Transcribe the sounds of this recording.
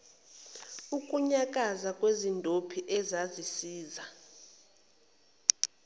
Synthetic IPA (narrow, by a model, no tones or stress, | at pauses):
ukʼuɲakʼazakʼwezindʱopʰiʔɛzazisiːza